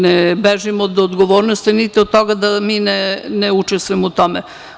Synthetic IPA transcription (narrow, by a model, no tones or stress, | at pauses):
nebeʒimod̪od̪ɡoʋoːɾnost̪init̪iod̪̚t̪oɡad̪amiːneneut͡ʃest̪ʋujimout̪ome